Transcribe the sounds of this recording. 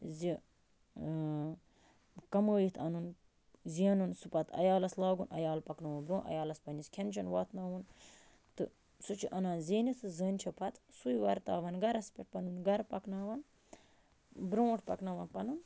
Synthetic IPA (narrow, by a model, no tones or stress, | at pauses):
zi | kɐməːjit̪ʰɐnun | ziɐnunsupɐt̪ʰɐ̰jaːlɐslaːɡunʔɐ̰jaːlpɐknaːʋunbɾõːnʔɐ̰jaːlɐspɐniskʰʲent͡ʃʰɐnʋaːt̪ʰnaːʋun | t̪ɨ̰ | sut͡ʃʰiʔɐnãːnziːnit̪ʰɨzəːnʲt͡ʃʰɐpʰɐt̪sujiʋɐɾt̪a̰ːʋɐnɡɐɾɐspʲiʈ̚pɐnunɡɐɾpɐknaːʋɐn | bɾõːʈʰpɐ̰knaːʋɐnpɐnun